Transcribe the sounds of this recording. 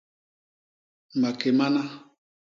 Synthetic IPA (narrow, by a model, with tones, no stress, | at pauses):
ma˨ke˨ma˦na˦